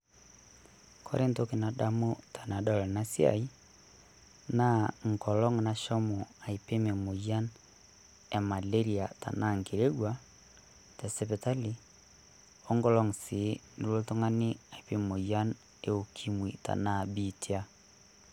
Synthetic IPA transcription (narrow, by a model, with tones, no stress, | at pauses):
kʰɔ̰˦ɾe˦nto˦ke˨na˨ɗa˦mo˦tʰa˨na˨dɔ˦lɛ˨na˦sja̰˨i˦ | na˦ŋ̩˨kɔ˨lɔ˦ŋna˨ʃɔ˦mo˨a˨i˨pe˦me˨mo˨ja˦n | e˨ma˨le˦ɾi˨a˨ta̰˨na˦ŋke˨ɾe˦ɣwa˦ | tɛ˨sɛ˦pɛ˨ta˦li˨ | o˦ŋɡɔ˦lɔ˦ŋse˨˦ni˨ɾo˦to˦ŋa˦ne˦a˨i˨pe˦mo˨ja˦n | e˦o˨kʰi˦mwi˨ta̰˨na˦˨bi˨tʰia˦